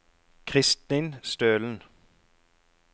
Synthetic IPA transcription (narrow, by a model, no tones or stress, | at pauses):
kʰʁɪst̪iːnst̪øːln̩